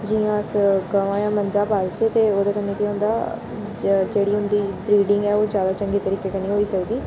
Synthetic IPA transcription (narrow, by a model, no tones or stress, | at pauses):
d͡ʒiːãːəsɡəʋãːjãːməɲd͡ʒaːpaːlt̪eːt̪eːoːd̪eːkənːeːkiːɦõːnd̪aː | d͡ʒeːɽiːɦʊnd̪iːbɾiːɖɪ̃ŋɡɛːoːzjaːd̪aːt͡ʃəŋɡeːt̪əɾiːkeːkəniːɦoːiːsəkd̪iː